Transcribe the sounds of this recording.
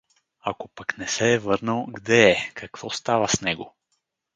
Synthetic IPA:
akopaknɛsɛːvɤɾnəlˠɡd̪ɛɛkɐkv̥ɔst̪avəsnɛɡo

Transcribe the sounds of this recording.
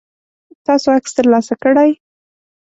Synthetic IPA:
t̪ɑsoakst̪əɾlɑsakəɽaj

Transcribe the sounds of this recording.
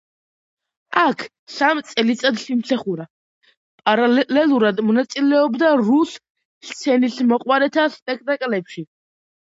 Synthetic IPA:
akʰ | samt̪sʼɛlit̪sʼad̪simsʰaχuɾa | pʼaɾalɛlɛlˠuɾad̪mɔnat̪sʼilɛɔbd̪aɾus | st̪sʰɛnismɔqʼwaɾɛt̪ʰaspʼɛk̚ʰt̪ʼakʼlɛpʃi

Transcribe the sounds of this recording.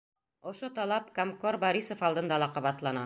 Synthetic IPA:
ŏʃot̪ɑlˠɑpkomkorboɾisofɑlˠd̪ɤ̆nd̪ɑlˠɑqɑβɑt̪lˠɑnɑ

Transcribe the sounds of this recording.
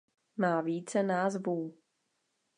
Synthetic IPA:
maːviːt͡sɛnaːzvuː

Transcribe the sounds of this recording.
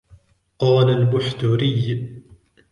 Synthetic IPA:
qɑːlalbʊħt̪ʊɾɪj

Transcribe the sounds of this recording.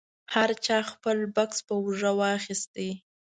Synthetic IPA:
haɾt͡ʃɑxpəlbakspəwʐəwɑxist̪e

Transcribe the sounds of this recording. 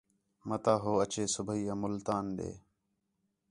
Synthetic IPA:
mət̪aːɦoːət͡ʃeːsʊbʱəiːaːmʊlt̪aːnɗḛː

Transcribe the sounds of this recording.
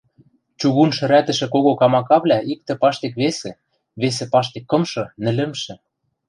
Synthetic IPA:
t͡ɕuɣunʃɘ̆ɾæt̪ɘ̆ʃɘ̆koɣokɑmɑkɑβlʲæik̚t̪ɘ̆pɑʃt̪ek̬βesĕ | βes̬ĕpɑʃt̪ekːɤ̆mʃɤ̆nɘ̆lɘ̆mʃɘ̆

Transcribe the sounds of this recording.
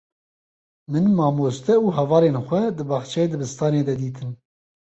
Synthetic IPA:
mɨnmɑːmoːst̪ɛuːɦɛvɑːleːnxʷɛd̪ɨbɑːxt͡ʃʰɛjeːd̪ɨbɨst̪ɑːneːd̪ɛd̪iːt̪ʰɨn

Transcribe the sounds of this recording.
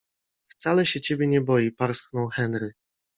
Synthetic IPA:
ft̪salɛɕɛt͡ɕebʲjɛɲɛbɔjipaɾsknɔ̃w̃xɛnɾɘ

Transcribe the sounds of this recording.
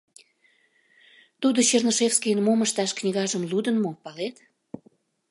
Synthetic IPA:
t̪ud̪oɕernoʃefskijənmoməʃt̪ɑʃknʲiɣɑʒəmlud̪ənmopɑlet̪

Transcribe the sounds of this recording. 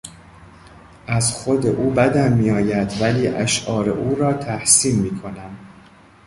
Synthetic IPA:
ʔæzxod̪ḛʔuːbæd̪æmmiːjɒːjæd̪væliːʔæʃʔɒːɾḛʔuːɾɒːt̪ʰæhsiːmmiːkʰo̞næm

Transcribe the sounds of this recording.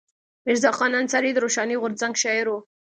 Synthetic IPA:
mɪɾzɑqɑnant͡saɾid̪ɾoʃɑniɣʊɾd͡zaŋɡʃɑɪɾo

